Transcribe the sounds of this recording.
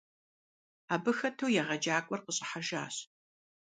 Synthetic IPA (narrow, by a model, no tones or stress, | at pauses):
aːbɨxɐtʰɐwjɛʁɐd͡ʒaːkʷʼɔrqəɕʼɐħaʒa̰ːɕ